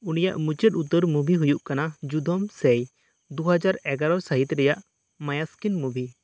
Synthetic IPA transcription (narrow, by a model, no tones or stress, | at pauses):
unijaʔmut͡ʃət̪ut̪əɾmubʱiɦujuʔkanad͡ʒud̪ʱɔmsɛj | d̪uɦad͡ʒaɾɛɡaɾɔsaɦit̪ɾɛjaʔ | majaskinmubʱi